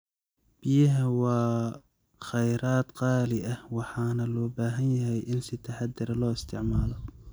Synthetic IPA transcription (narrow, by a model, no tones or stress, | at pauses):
b̥ɪjɪɦɐwɑː | xɐjɾaːt̪qɑːlɪʔɐhwɑħɑːnɐlɔːbaːɦɐnjɐɦɛjʔɪnsɪt̪ʰɐħɑd̪ːɪɾɐlɔːɪst̪ʰɪʕmaːlɔ